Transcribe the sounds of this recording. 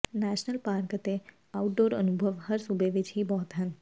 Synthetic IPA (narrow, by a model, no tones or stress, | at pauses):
næʃnəlpaɾkət̪e | auʈ̚ɖoːɾə̰nubʱəʋhəɾsubeʋɪt͡ʃʰibɔːt̪ɦən